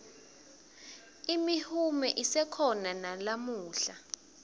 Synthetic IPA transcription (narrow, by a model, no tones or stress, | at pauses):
imihumɛʔisɛkʰɔnanalamuːɬa